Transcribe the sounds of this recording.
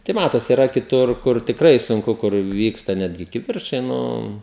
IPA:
tɐɪ ˈmɑːtoːsʲɪ ɪˈrɐ kʲɪˈtʊr ˈkʊr tʲɪkˈrɐɪ sʊŋˈkʊ kʊr ˈʋʲiːkstɐ ˈnʲæːdʲɡʲɪ kʲɪˈʋʲɪrt͡ʃɐɪ ˈnʊ

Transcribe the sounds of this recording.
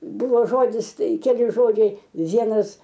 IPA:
ˈbʊʋoː ˈʒoːdʲɪs ˈtɐɪ kʲɛˈlʲɪ ˈʒoːd͡ʒʲɛɪ ˈʋʲiɛnɐs

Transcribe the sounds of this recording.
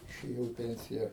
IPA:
ɪʃʲeːˈjɛʊ ɪ ˈpʲɛnʲsʲɪjɛ

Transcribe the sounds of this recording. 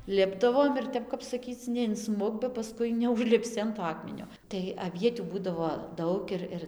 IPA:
ˈlʲɪbdɐʋoːm ɪr ˈtʲɛp kɐp sɐˈkʲiːt͡s nʲɛɪnˈsmʊk bɐ pɐˈskʊɪ nʲɛʊʒʲlʲɪpʲˈsʲɪ ɐn toː ˈɑːkmʲɛnʲoː tɐɪ ɐˈʋʲiɛtʲuː ˈbuːdɐʋoː ˈdɐʊk ɪr ˈɪr

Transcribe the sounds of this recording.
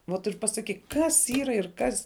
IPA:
ʋoːt ɪr pɐsɐˈkʲiːk ˈkɐs ˈiːrɐ ɪr ˈkɐs

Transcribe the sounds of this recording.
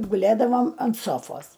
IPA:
ɡʊˈlʲeːdɐʋoːm ɐnt ˈsoːfoːs

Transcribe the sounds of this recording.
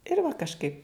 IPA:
ɪr ʋɐ kɐʃˈkɐɪp

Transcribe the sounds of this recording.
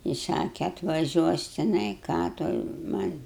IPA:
ɪ ˈsɑːkʲɛ ɐtʋɐˈʒʲuɔs tʲɪˈnɐɪ ˈkɑː toːj mɐnʲ

